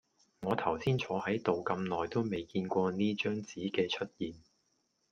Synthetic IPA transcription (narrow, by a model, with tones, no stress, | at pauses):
ŋɔː˨˧t̪ʰɐ˨˩wsiː˥nt͡ʃʰɔː˨˥hɐ˨˥jt̪o˨wkɐ˧mnɔː˨˩jt̪o˥wme˨jkiː˧nkʷɔː˧niː˥t͡ʃœː˥ŋt͡siː˨˥kɛː˧t͡ʃʰɵ˥t̚jiː˨n